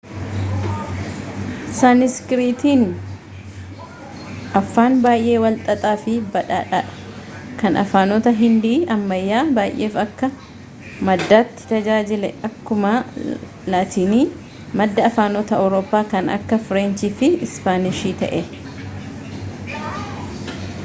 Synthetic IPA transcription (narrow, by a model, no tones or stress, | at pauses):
sanɪskɾiːt̪iːn | ɐfːaːnbaːjʔe̞ːwɐlt̪ʼɐt̪ʼaːfɪbɐᶑaːᶑaᶑɐ̥kɐnɐ̰faːnɔt̪ɐɦɪnd̪iːɐmːɐjːaːbaːjʔːe̞ːfɐkːɐ | mɐd̪ːaːt̪ːɪ̥t̪ɐd͡ʒaːd͡ʒɪlɛʔɐkːʊmɐ | laːt̪ʰiːniː | mɐd̪ːɐɐfaːnɔt̪ɐɐwɾoːpːaːkɐnɐ̰kːɐfʊɾeːnt͡ʃiːfɪɪspaːnɪʃiːt̪ɐ̰ʔɛ